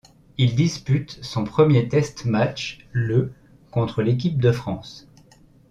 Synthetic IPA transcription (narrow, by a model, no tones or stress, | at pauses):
ild̪ispyt̪sɔ̃pχəmjet̪ɛst̪mat͡ʃ | lə | kɔ̃t̪χəlek̬ʲip̚d̪əfχɑ̃s